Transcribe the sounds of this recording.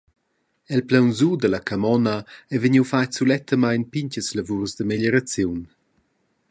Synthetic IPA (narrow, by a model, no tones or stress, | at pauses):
ɛlplawnzud̪əlakamɔnaɛvəɲiwfajsulɛt̪ʰəmajnpiɲcəslavuɾzd̪əmeʎəɾat͡sjun